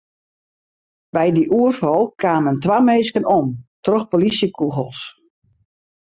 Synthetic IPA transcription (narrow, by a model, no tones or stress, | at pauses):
bɛjdiʔuərfɔlˠkʰaːməntʋameːskənomtrɔxpolisjəkʰuɣəlˠs